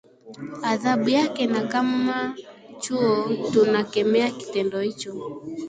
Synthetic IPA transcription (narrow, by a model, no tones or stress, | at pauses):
aðaɓujakɛnakamat͡ʃuɔtunakɛmɛaki̥tɛndɔhit͡ʃɔ